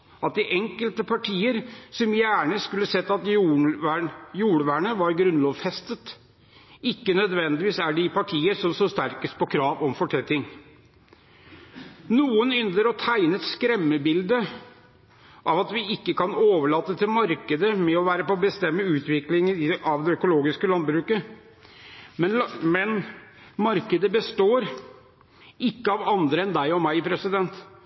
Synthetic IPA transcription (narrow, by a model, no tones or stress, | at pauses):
ʔɑt̪̚d̪ɪʔɛŋkəlt̪əpʰɑʈʰiːəɾsɔmjæːɳəskʉlːəsɛt̪ːɑt̪j | juːɽəʋæːɳəʋɑɾɡɾʉnlɔːʋfɛst̪ət̪ | ɪkːənœd̪ʋɛnd̪ɪʋiːsæɖɪpɑʈʰiːəsɔmsɔst̪æɾkəspʰɔkʰɾɑːʋɔmfɔʈʰɛt̪ːɪŋ | nuːənʏnd̪əɾɔt̪ʰæɪnəɛt̪skɾɛmːəbɪld̪ə | ʔɑʋɑt̪ʋɪɪkːəkʰɑnoːʋəɭɑːt̪ːət̪ʰɪlmɑɾkəd̪əmɛɔʋæːɾəpɔbəst̪ɛmːəʉːt̪ʋɪklɪŋənɑʋd̪ɛœkʊloːɡɪskəlɑnbɾʉːkə | mɛmɛn | mɑɾkəd̪əbəst̪oːɾ | ɪkːəɑʋɑnd̪ɾəɛnd̪æɪɔmæɪpʰɾɛsɪd̪ɛnt̪